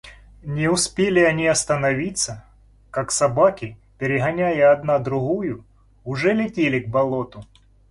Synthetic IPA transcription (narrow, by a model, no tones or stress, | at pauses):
nʲɪʊspʲelʲɪɐnʲiɐst̪ənɐvʲit̪sə | kaksɐbakʲɪpʲɪɾʲɪɣɐnʲæjəɐd̪nad̪ɾʊɣujʊ | ʊʐɛlʲɪtʲelʲɪɡ̚bɐlˠo̞t̪ʊ